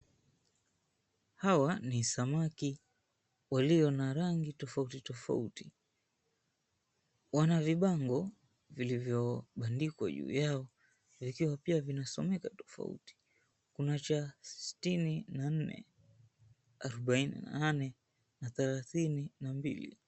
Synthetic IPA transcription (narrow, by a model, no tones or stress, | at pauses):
hawanisamaki | waliɔnaɾaŋɡitɔfautitɔfa̰uti | wanaviɓaŋɡɔ | vilivjɔɓandikwa̰ʄṵːjaɔ | vikiwapiavinasɔmɛkatɔ̥fa̰ṵti̥ | kunat͡ʃassi̥tininan̩nɛ̰ | aɾɔɓainḭna̰nanɛ | naθɛlaθininambḭlḭ